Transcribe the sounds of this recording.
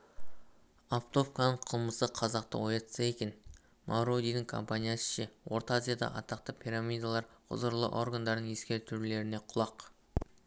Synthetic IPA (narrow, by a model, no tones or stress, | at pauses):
aft̪o̞fkanəɴqʰəlˠməsəqʰɑzɑqt̪ə̰wo̞jɑt̪səe̞kʲe̞n | mʔawɾod̪ijd̪ɪŋkʰo̞̰mpanʲijasə̥ʃe̞wo̞ɾt̪azʲijad̪ɑ̰ʔɑ̰t̪ɑqt̪əpʰʲiɾamʲijd̪alˠɑɾqʰʊ̰zəɾlˠə̰ʔo̞rɡand̪ɑɾd̪əɴe̞skʲe̞ɾt̪ʰʏɾle̞ɾɪne̞qʰʊlˠɑq